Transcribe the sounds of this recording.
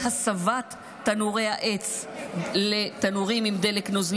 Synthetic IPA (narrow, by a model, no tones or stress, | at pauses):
hasavat̪ː | anuʁejhaʔet͡s | let̪anuʁimimd̪eleknozl